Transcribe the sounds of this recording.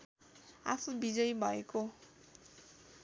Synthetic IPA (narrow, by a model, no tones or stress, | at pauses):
afʰubid͡zʌjbʱʌeko